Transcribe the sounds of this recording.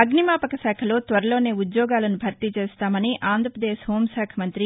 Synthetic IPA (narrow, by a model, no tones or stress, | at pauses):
ɐɡnimaːpɐkɐsɛːkʰɐlo̞ːt̪ʋɐɾɐloːne̞ːud̪jɔːɡaːlɐnubʱɐɾt̪it͡ʃeːst̪aːmɐniʔaːnd̪ʱɾɐpɾɐd̪eːʃɦoːmʃɛːkʰɐmɐnt̪ɾi